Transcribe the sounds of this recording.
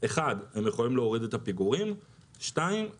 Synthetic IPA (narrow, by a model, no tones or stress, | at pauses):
e̞χadhe̞mjeχo̞limleo̞ʁid̪et̪apiɡuʁim | ʃtaim